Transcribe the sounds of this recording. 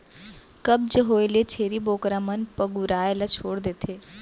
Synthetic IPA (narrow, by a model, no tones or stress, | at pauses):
kɐb̚d͡ʒeɦoːɪlet͡ʃʰeːɾiboːkɾamənpəɡuɾaːelat͡ʃʰoːɽd̪eːt̪ʰeː